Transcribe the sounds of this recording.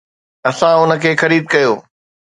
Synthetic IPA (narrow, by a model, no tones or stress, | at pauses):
ɐsãʊnə̆kʰeːxɐɾiːd̪̚kɐjoː